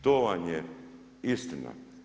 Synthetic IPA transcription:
t̪oʋanje | ist̪ina̰

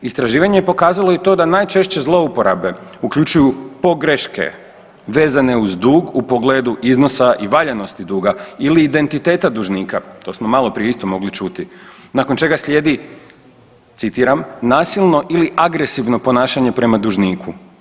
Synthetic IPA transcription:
ist̪ɾaʒiːʋaɲejepo̞kaːzalˠo̞jet̪o̞ːd̪anajt͡ʃe̞ʃt͡ɕe̞zlˠo̞upo̞ɾa̰be̞ukʎut͡ʃujupo̞ɡɾeʃke̞̰ | ʋe̞ːzane̞uzd̪uːɡupo̞ɡleːd̪uʔizno̞saʔiʋaʎeno̞st̪id̪uːɡailiːd̪e̞nt̪it̪e̞ːt̪ad̪uʒniːkat̪o̞ːsmo̞malˠo̞pɾijist̪o̞mo̞ɡlit͡ʃut̪inakont͡ʃe̞ɡaslʲʎʲe̞ːd̪i | t̪sit̪iːɾamnaːsilˠno̞ʔiliʔaɡɾe̞siʋno̞po̞naːʃaɲe̞pɾe̞mad̪uʒniːkʰu

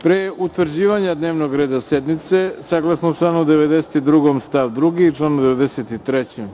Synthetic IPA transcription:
pɾeʔut̪ʋrd͡ʑiːʋaɲad̪ne̞ːʋnoɡɾeːd̪ased̪nit̪sesaɡlˠasnoʈ͡ʂlaːnud̪e̞ʋed̪eset̪id̪ɾuɡomst̪aʋd̪ɾuɡit͡ʃlaːnud̪eʋed̪eset̪it̪ɾet͡ɕem

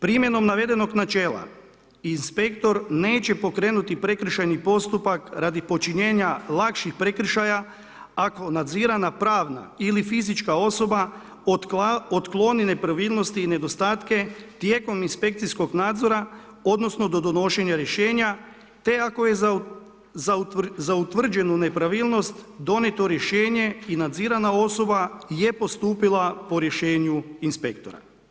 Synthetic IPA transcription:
pɾimje̞no̞mnaʋe̞d̪e̞no̞ɡnat͡ʃe̞ːlˠa̰ | inspe̞kt̪o̞ɾne̞ːt͡ɕe̞po̞kɾeːnut̪ipɾe̞kɾ̩ʃajnipo̞st̪upakɾaːd̪ipo̞t͡ʃiɲe̞ːɲalˠakʃixpɾe̞kɾ̩ʃaja | ako̞nad̪ziːɾanapɾaːʋna̰ilifizit͡ʃkao̞so̞ba | ot̪klˠo̞nine̞pɾaʋiːlˠno̞st̪iːne̞d̪o̞st̪aːt̪ke̞t̪je̞ːko̞minspe̞kt̪sisko̞ɡnaːd̪zo̞ɾa | o̞d̪no̞sno̞d̪o̞d̪o̞no̞ʃe̞ɲaɾje̞ʃe̞ːɲa | t̪e̞ako̞je | zazaut̪ʋr̩d͡ʑe̞nune̞pɾaʋiːlˠno̞st̪d̪o̞net̪o̞ɾje̞ʃe̞ːɲe̞inad̪ziːɾanao̞so̞baje̞po̞st̪uːpilˠapo̞ɾje̞ʃe̞ːɲuinspek̚t̪o̞̰ɾa̰

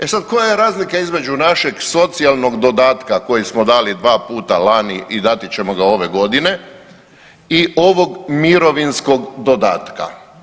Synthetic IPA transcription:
e̞sad̪ko̞jajeɾaːzlikaizme̞d͡ʑunaʃe̞ɡso̞t̪sialˠno̞ɡd̪o̞d̪aːt̪kako̞jismo̞d̪aːlid̪ʋaːpuːt̪alaniʔid̪at̪it͡ɕe̞moɡao̞ʋe̞ɡo̞d̪ine̞ | io̞ʋo̞ɡmiɾo̞ʋinsko̞ɡd̪o̞d̪a̰ːt̪ka̰

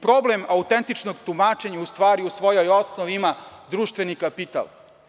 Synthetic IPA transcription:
pɾoblemaut̪ent̪it͡ʃnoɡt̪umaːt͡ʃe̞ɲaust̪ʋaːɾiusʋo̞jojosnoʋimad̪ɾuːʃt̪vʋe̞nikapit̪a̰lˠ

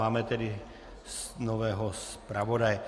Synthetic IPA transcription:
aːmɛt̪ɛdi | snovɛːɦospɾavodajɛ

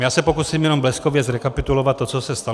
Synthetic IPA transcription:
jaːsapɔkuːsiːmjɛnɔmblɛskɔʋjɛd͡zɾɛkapit̪ulɔʋat̪ːɔt͡sɔsɛst̪a

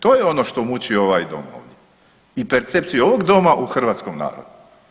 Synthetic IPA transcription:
t̪o̞ːjeo̞noʃt̪o̞mut͡ɕio̞ʋajd̪o̞̰mo̰ːʋd̪je | ipeɾt̪se̞pt̪sijuo̞ʋo̞ɡd̪o̞maʔuxr̩ʋaːt̪sko̞mna̰ːɾo̰d̪u

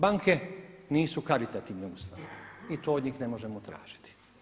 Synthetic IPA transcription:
baŋkʰe̞niːsukaɾit̪at̪iːʋneust̪ait̪oːod̪ɲiːxne̞mo̞ʒe̞mot̪ɾa̰ːʒ̥i̥t̪i̥

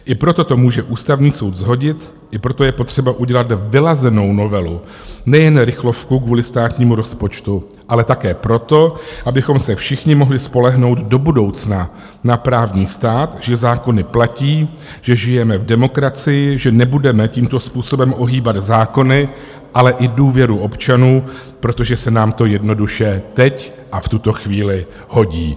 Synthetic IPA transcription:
ʔɪpɾo̞t̪o̞t̪o̞muːʒɛʔuːst̪avɲiːso̞wd̪zɦo̞ɟɪt̪ | ʔɪpɾo̞t̪o̞jɛpo̞t̪r̥ɛbaʔuɟɛlat̪vɪlazɛno̞wno̞vɛlu | nɛjɛnɾɪxlo̞fkukvuːlɪst̪aːt̪ɲiːmuɾo̞spo̞t͡ʃt̪u | ʔalɛt̪akɛːpɾo̞t̪o̞ʔabɪxo̞msɛfʃɪxɲɪmo̞ɦlɪspo̞lɛɦno̞wd̪do̞budo̞wt͡sna | napɾaːvɲiːst̪aːt̪ʒɛzaːko̞nɪplaciː | ʒ̥ɛʒɪjɛmɛvdɛmo̞kɾat͡sɪjɪʒɛnɛbudɛmɛciːmt̪o̞spuːso̞bɛmʔoɦiːbad̪zaːko̞nɪ | ʔalɛʔɪduːvjɛɾuʔo̞pt͡ʃanuː | pɾo̞t̪o̞ʒɛsɛnaːmt̪o̞jɛdno̞duʃɛt̪ɛc | ʔaft̪ut̪o̞xviːlɪ | ho̞ɟiː

